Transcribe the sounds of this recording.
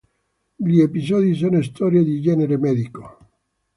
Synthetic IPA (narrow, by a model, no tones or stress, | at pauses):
ʎiepisɔðis̬ɔnoist̪ɔɾjad̪id͡ʒɛneɾemɛðiko